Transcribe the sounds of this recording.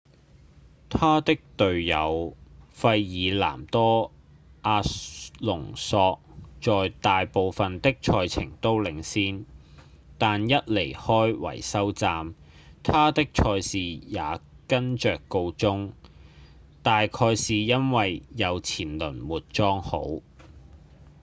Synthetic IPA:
t̪ʰaː˥t̪ɪ˥k̚t̪ɵ˨ɥjɐ̰˨˧wfɐ˧jːiː˨˧la̰ː˨˩mt̪ɔː˥ | ʔaː˧lʊ˨˩ŋsɔː˧k̚t͡ʃɔː˨jt̪aː˨jpo˨˧wfɐ˨nt̪ɪ˥k̚t͡ʃʰɔː˧jt͡sʰɪ̰˨˩ŋt̪o˥wlɪ˨˧ŋsiː˥n | t̪aː˨njɐ˥t̚le˨˩jhɔː˥jwɐ̰˨˩jsɐ˥wt͡saː˧m | t̪ʰaː˥t̪ɪ˥k̚t͡ʃʰɔː˧jsiː˨jaː˨˧ | kɐ˥nt͡ʃœː˨kːo˧wt͡sʊ˥ŋ | t̪aː˨jkʰɔː˧jsiː˨jɐ˥nwɐ˨jːɐ˨˧wt͡sʰiː˨˩nlɵ˨˩nwuː˨t̚t͡ʃɔː˥ŋho̰˨˥w

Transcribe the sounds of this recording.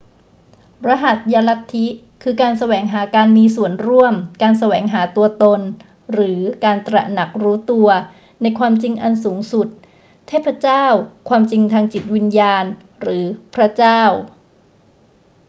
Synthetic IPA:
ɾa˦˥ɦa˨˩t̪̚jaː˧la˦˥tt̪ʰːi˦˥ | kʰɯː˧kaː˧nsa˧wɛː˩˦ŋɦaː˩˦kaː˧nmiː˧su˨˩ənɾu˥˩əmkaː˧nsa˧wɛː˩˦ŋɦaː˩˦t̪u˧ɐt̪o˧n | ɾɯː˩˦kaː˧nt̪ɾa̰˨˩na˨˩k̚ɾuː˦˥t̪u˧ɐ | na˧jkʰwaː˧mt͡ɕi˧ŋʔa˧nsuː˩˦ŋsu˨˩t̪̚ʰː | ɛː˥˩pʰɾa˦˥t͡ɕaː˥˩wkʰwaː˧mt͡ɕi˧ŋt̪ʰaː˧ŋt͡ɕi˨˩t̪̚wi˧njaː˧n | ɾɯː˩˦pʰɾa˦˥t͡ɕaː˥˩w

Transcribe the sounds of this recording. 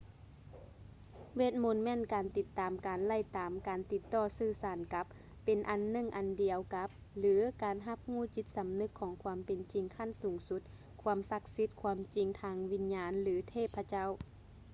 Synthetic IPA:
ʋeː˧˥˩t̪̚mo˧˥nmɛː˧˥˨nkaː˨nt̪i˧t̪ːaː˨˩mkaː˨nla˧˥˩jt̪aː˨mkaː˨nt̪i˧˥t̪ːɔː˧˩sɯː˧˩˨saː˨˦nka˧˦p̚ː | e˨nʔa˨˩nːɯ˧˥˨ŋʔa˨ndi˨˩əwka˧˦˥p̚ | lɯː˨˦kaː˨nɦa˧p̚huː˧˥˩t͡ɕi˧˥t̪̚sa˨˦mnɯ˧˥kʰːɔː˨˦ŋkʰwaː˧əmpe˨nt͡ɕi˨ŋkʰa˧˥˨nsuː˨˩ŋsu˧˦˥t̪̚ | kʰu˧əmsa˧k̚si˧˦˥t̪̚kʰwuː˧əmt͡ɕi˨˩ŋt̪ʰaː˧ŋwi˧˥nɲaː˧nlɯː˨˦t̪ʰeː˧˥˩pʰːa˧t͡ɕa˥˨w

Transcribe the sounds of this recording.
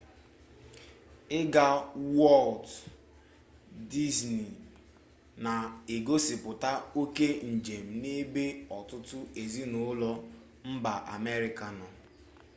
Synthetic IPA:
ɪ˦ɡa˦wɔ˦lt | di˦zni˨ | na˨e˨ɡo˦sɪ˨pʊ˨ta˦o˦ke˦n̩˨d͡ʒe˨m̩˨ne˦be˦ɔ˨tʊ˦tʊ˦e˨zi˦no˨˦lɔ˦ | m̩˦ba˨ʔa̰˨me˦ɾi˨ka˨nɔ˨

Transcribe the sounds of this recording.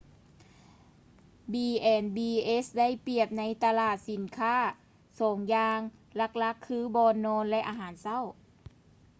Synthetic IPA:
biː˧ʔɛː˧˩nbiː˧ʔe˦˥sda˥˨jpi˧˩əp̚na˧˥jt̪a˧laː˧˩t̪̚si˨˦nkʰaː˥˩˨ | soː˨˩˦ŋjaː˧ŋla˧˥k̚la˧˦˥kʰːɯː˧˥˨bɔː˧nːɔː˧˥nlɛ˧˥ʔaː˧ɦaː˨˩˦nsa˥˨w

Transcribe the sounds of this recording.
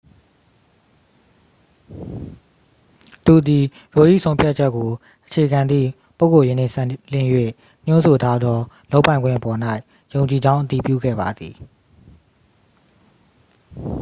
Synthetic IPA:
t̪u˨d̪i˨ | jo˨ʔḭ˦˨sʰõ˦ʊ̃pʰja˦t̚t͡ɕʰɛ˦kːo˨ | ʔət͡ɕʰe˨ɡã˨nd̪ðḭ˦˨ | po˦ʊko˨jɪ̃˨n̥ɪ̰̃˦˨sã˦˨l̥ɪ̰̃˦˨jwḛ˦˨ | ɲ̥ʊ̃˦nso˨tʰa˦d̪ðɔ˦ | lo˦ʊpã˨ɪ̃ŋɡwɪ̃˦˨ʔəpɔ˨n̥a˦ɪ | jõ˨ʊ̃ɲt͡ɕi˨d͡ʑã˦ʊ̃ʔət̪i˨pjṵ˦˨ɡɛ̰˦˨ba̰˨d̪ði˨

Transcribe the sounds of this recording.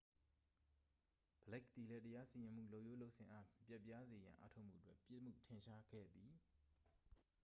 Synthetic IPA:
b̥əlɛ˦˨k̚t̪i˨lɛ˦təja˦si˨jɪ̃˨m̥ṵ˦˨lo˦˨ʔjo˦lo˦ʔsʰɪ̃˨ʔa˦pja˦ʔpːja˦ze˨jã˨ʔa̰˦tʰo˦ʊʔm̥ṵ˦˨ətwɛ˦ʔpjɪ˦m̥ṵ˦˨tʰɪ̃˨ʃa˦ɡɛ̰˦˨d̪i˨

